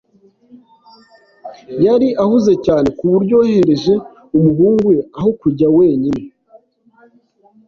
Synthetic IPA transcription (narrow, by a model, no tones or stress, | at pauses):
jaɾiʔahuze̞caːne̞kuβuɾɟo̞he̞ɾe̞ʒe̞ | umuɦuːŋɡueaho̞kuɟawe̞ːɲine